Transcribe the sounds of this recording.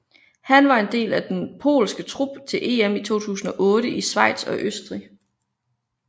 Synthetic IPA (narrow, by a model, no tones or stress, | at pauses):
hænʋɑ̈e̝nd̥e̝̰ːlæd̥enpʰo̝̰ːlsɡ̥ət͡sʰʁub̥t͡sʰe̝lʔe̝̰ːemit͡sʰo̝̰ːt͡sʰṵːsn̩ɒ̽ʔɔ̽ːɾ̥əʔisʋɑ̈ɪ̰d̥sɒ̽ʔøsd̥ʁi